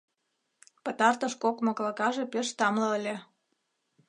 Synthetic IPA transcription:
pə̆t̪ɑrt̪ə̆ʃkokmɤ̆klˠɑkɑʒepeʃt̪ɑmlɤ̆əlʲe

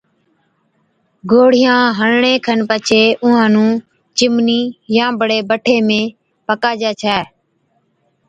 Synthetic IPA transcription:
ɡoːɽ̤ɪjãːɦənɳẽːkʰənpət͡ʃʰeːʔʊɦãːnũː | t͡ʃɪmniːjãːbəɽeːbəʈʰeːmẽː | pəkaːd͡ʒaːt͡ʃʰaː

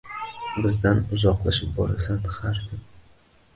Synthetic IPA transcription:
bɪzd̪anʊzɒqlˠaʃɪp̚bɒ̰ɾa̰sanhaɾsɪn

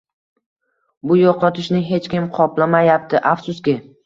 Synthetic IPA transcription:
bʊjoqʰɒt̪ʰɪʃnɪɦe̞t͡ʃkʲɪmqʰɒplamajap̚t̪ɪʔafsʊskʲɪ

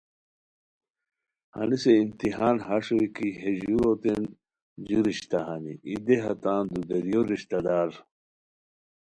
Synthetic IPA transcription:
hɐ̰niseimt̪iɦaːnɦaʂowikiɦeʑuɾot̪en | d͡ʑuɾiɕt̪aɦanḭʔid̪eɦɐt̪ãːnd̪uɡɐɾijoɾiɕt̪ɐd̪aːɾ

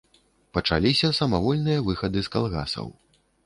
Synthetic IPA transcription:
pɐt͡ʂa̰lʲisʲɐsɐmavɔlʲnɨjɐvɨxɐd̪ɨskalˠɣa̰sɐ̰w

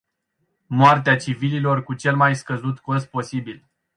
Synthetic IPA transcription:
moart̪eat͡ʃivililo̞rkut͡ʃe̞lmajskəzut̪kos̚po̞sibil

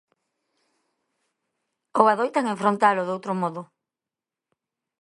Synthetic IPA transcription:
oβaðojt̪aŋeɱfɾõnt̪aloðowt̪ɾomɔðʊ

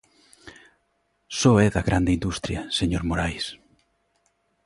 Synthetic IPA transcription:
soɛðɐɣɾʔand̪ind̪ust̪ɾjɐseɲoɾmoɾajs

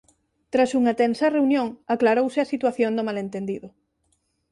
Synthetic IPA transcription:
t̪ɾasuŋɐt̪ɛnsɐreunjõŋaklaɾowsɪasit̪waθjond̪omalent̪end̪iðʊ

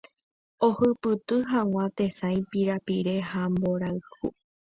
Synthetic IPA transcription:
ohɨpɨt̪ɨɦãw̃ʷãt̪e̞sãj̃piɾapiɾe̞hambo̞ɾaɨhṵ

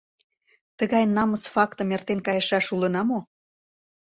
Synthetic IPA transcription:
t̪əɣɑjnɑməsfɑkt̪əmert̪enkɑjɤʃɑʃulə̆nɑmo

